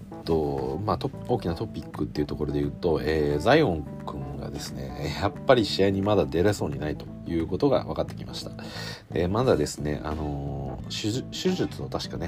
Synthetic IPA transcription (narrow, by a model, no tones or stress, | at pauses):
t̪ːo̞mat̪o | o̞ːkʲinat̪o̞pʲikːɯt̪ːe̞iɯ̟t̪o̞ko̞ɾo̞d̪e̞jɯ̟ːt̪o̞eːzaiõ̞ŋ | kɯ̟̃ŋɡa̰d̪e̞sɨne̞̰japːaɾʲiɕiaiɲ̟imad̪ad̪e̞ɾeso̞ːɲ̟inait̪o̞jɯ̟ːko̞t̪o̞ɡa̰βakat̪ːe̞̥kʲimaɕi̥t̪ḁ | emazad̪e̞sɨne̞̰ʔa̰no̞ɕɨɕɨʑɨt͡sɨ̥not̪aɕi̥kane̞